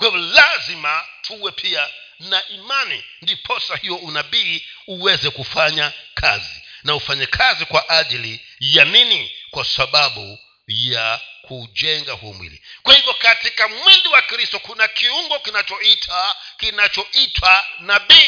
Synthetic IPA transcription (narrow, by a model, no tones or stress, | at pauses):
kwahivɔlazimatʰuwɛpʰia | naʔimanḭndipʰɔsahijɔunaɓiːuwɛzɛkufaɲakʰa̰zḭnaufaɲɛkʰazikwaʔaʄili | janinikwasaɓaɓṵ | jakʰuʄɛŋɡahuɔ̰mwḭlḭkwahivjɔkatikamwiliwakɾistɔkunakʰiuŋɡɔkinat͡ʃɔitʰakinat͡ʃɔitʰwanaɓiː